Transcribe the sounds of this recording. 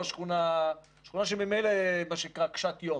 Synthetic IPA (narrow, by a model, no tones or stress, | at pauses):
ʃχuna | ʃχunaʃ̬emimejlemaʃeikʁakʃat̪jo